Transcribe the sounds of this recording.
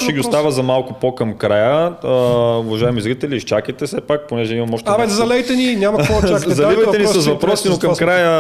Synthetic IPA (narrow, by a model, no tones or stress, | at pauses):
ʃɛɡʲiʊst̪avəzɐmalˠkʊpokɐmkɾajə | ʊvɐʒaɛmizɾit̪ɛliʃt͡ʃakit̪ɛsɛpak̚ponɛʒɛimɐmɔʃt̪ɛzɐlɛjt̪ɛninʲamɐɔazɐlivɐj̪ɛnisɐzvɐpɾɔsinokɐmkɾajə